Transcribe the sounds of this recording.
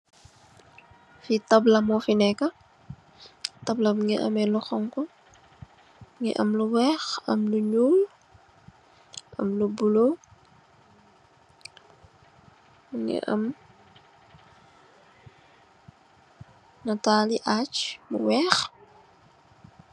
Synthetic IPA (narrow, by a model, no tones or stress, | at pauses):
fitɐblɐmɔfinɛkːɐ | tɐblɐmŋɡɛʔɐ̰mɛlɔxɔŋkɔ | ŋɡɛ̰ʔɐ̰mluwɛːxɐ̰mluɲuːl | ʔɐ̰mlubulo | ŋɡɛ̰ʔɐ̰m | nɐtaːliʔaːt͡ʃmṵwɛːx